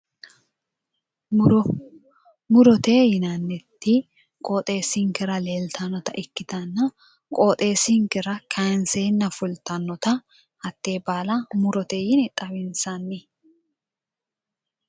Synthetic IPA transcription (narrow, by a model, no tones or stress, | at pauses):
mʊɾɔt̪eːjɪnɐnːɛt̪ːi | kʼoːt̪ʼe̞ːsɪŋkɛɾɐle̞ːlt̪ʰɐnɔt̪ɐʔɪkːɪt̪ɐnːɐ | kʼoːt̪ʼe̞ːsiŋkɛɾɐkʰɐnsenːɐfʊlt̪ɐnːɔt̪ɐ | hɐt̪ːe̞ːbaːlɐmʊɾɔt̪ejɪnɛt̪ʼɐβɪnsɐnːɪ